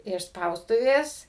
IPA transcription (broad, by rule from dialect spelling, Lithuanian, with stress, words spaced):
ɪʃ ˈspɐʊstʊʋʲeːs